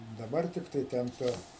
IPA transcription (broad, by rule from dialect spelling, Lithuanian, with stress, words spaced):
dɐˈbɐr ˈtʲɪktɐɪ ˈtʲɛn ˈtʊ